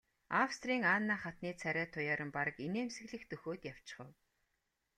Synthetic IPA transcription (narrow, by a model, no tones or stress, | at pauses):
awst̪riːŋaːnːaːχat̪niːt͡sʰæɾʲæːt̪ʰʊjaːɾə̆mpaɾə̆kineːmsɘ̆ɣɮɘ̆xt̪ɵxoːt̪jaw̥t͡ɕɪ̥̆χə̆w